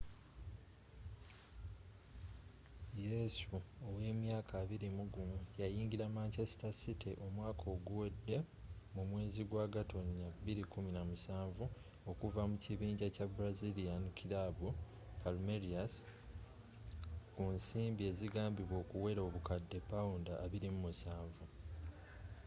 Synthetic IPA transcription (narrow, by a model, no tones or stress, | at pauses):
je̞suowe̞ːmjaːkʰaːβiɾimuɡumujajiːŋɟiɾamaːɲce̞si̥tasitiʔo̞mwaːkʰo̞ːɡuwe̞dːe̞ | mumwe̞ːziɡwaːɡato̞niabiɾikuminamusaːɱvu | o̞kuvamuciβiːɲɟacabuɾaziliankʰilabu | palumeɾias | kunsiːmbie̞ːziɡaːmbiβwo̞ːkuwe̞ɾoːβukadːe̞pːawundaʔːβiɾimumusaːɱvu